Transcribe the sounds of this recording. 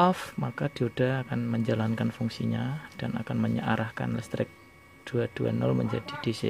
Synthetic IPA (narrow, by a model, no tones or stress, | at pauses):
ɔfmakad̥iod̥ahakanməɲd͡ʒalankanfuŋsiɲad̥ana̰kanməɲəʔaɾahka̰nlɛst̪ɾɪk̚ | d̥uad̥ua̰nɔlmə̰ɲd͡ʒad̥id̥esḛ